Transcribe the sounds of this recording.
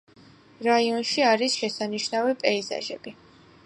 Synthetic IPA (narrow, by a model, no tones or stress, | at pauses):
ɾaiɔnʃiaɾisʃɛsaniʃnavipʼɛiza̰ʒɛ̰bi